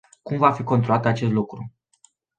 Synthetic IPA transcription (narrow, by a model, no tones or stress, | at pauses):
kumvafiko̞nt̪ɾolat̪at͡ʃe̞s̬t̪lukɾu